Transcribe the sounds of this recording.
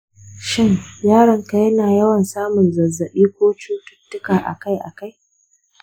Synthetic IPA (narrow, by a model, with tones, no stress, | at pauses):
ʃɪ˦ŋjaː˦ɽɐ˨˦ŋka˨jɐ˦naː˨jɐ˦wɐ˨nsaː˦mʊ˨nzɐ˨zːɐ˨ɓiː˦kʷoː˦t͡ʃuː˦tʊ̥˦tːʊ˦kaː˨ʔa̰˨ka˦jʔa̰˨ka˦j